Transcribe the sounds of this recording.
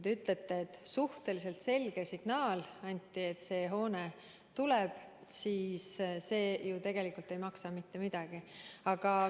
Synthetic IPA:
d̪yt̪ˑle̞t̪ːeːt̪ːˑsuht̪e̞lis̬e̞lt̪se̞lɡ̥e̞siɡ̥nɑːlɑnʲt̪ˑːie̞t̪ːse̞ːɦo̞ːne | t̪ule̞b̥ | siːsse̞ːjut̪e̞ɡ̥e̞likult̪ːe̞jmɑksɑmit̪ːe̞mid̪̥ɑɡ̥iɑɡ̥ɑ

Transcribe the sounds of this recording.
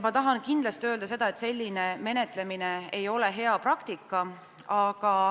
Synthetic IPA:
mɑt̪ɑɦɑnkind̪lɑst̪iø̞ːld̪ɑse̞d̪̥ɑe̞t̪se̞lʲːineme̞ne̞t̪ˑle̞mine̞ejo̞le̞ɦe̞ɑprɑkt̪ikːˑɑ | ɑɡ̥ɑ

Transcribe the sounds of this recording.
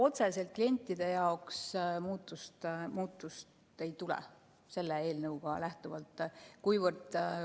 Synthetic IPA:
o̞t̪sese̞lt̪̚klije̞nʲt̪ʲˑːid̪̥e̞jɑoksmuːt̪ːˑust̪muːt̪ːˑust̪ | e̞jt̪ulɛ̰ | se̞lːee̞ːlnɤwɡ̥ɑ̰læht̪uvɑlt̪ːˑkujvɨrd̪̥

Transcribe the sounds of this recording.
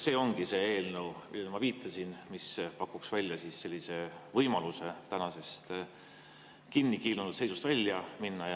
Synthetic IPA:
se̞ːo̞ŋɡ̥ise̞ːe̞ːlnəwmʔḭlːelmɑviːt̪ʰːˑɑsinmispɑkːuksvælʲjɑsisse̞lʲːise̞vɤjmɑluse̞t̪ænɑse̞st̪ | kinːikiːlunut̪se̞jsu̥st̪vælʲːjɑminːɑj

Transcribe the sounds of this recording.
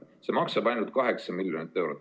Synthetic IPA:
se̞mɑksɑbɑjnult̪̚kɑɦe̞ksɑmilʲjonit̪ːˑe̞wɾot̪ːˑ

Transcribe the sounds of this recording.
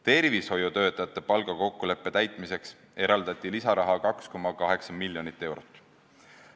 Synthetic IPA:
t̪e̞rvisho̞jut̪ø̞ːt̪ːˑɑjɑt̪ːˑe̞pɑlɡ̥ɑko̞kːule̞pːe̞t̪æjt̪ˑmise̞ks | e̞ɾɑld̪̥ɑt̪ʲːˑilisɑɾɑɦɑkɑksko̞mːɑkɑɦe̞ksɑmilʲːjo̞nit̪ːˑe̞wɾot̪ːˑ

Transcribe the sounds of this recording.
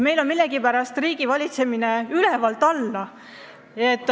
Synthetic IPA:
me̞jlo̞nmilːeɡ̥ipæɾɑst̪riːɡ̥ivɑlʲit̪se̞mineylevɑlt̪ːˑɑlːɑ | et̪ːˑ

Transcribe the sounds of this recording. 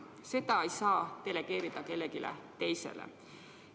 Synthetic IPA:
se̞d̪ɑejsɑːt̪e̞le̞ɡ̥e̞ːɾid̪̥ɑke̞lːeɡilʔḛt̪e̞jsḛlḛ

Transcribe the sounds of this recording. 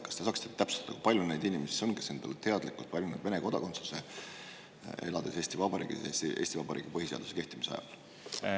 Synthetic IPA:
kɑst̪e̥sɑːkst̪et̪æpsu̥t̪ɑd̪̥ɑkujpɑlʲjune̞jd̪inʲimesi̥sonɡ̥ese̞nd̪̥ɑlet̪e̞ɑd̪̥likˑult̪pɑlʲinud̪ve̞neko̞d̪ɑko̞nt̪su̥se | e̞̰lɑd̪e̞se̞ːsʲt̪ivɑb̥ɑɾḭːɡ̥iesiʔe̞ːst̪ivɑb̥ɑɾʔḭːɡ̥ipɤɦiseɑ̰ld̪u̥se̞ke̞ht̪imiseɑ̰jɑ̰l

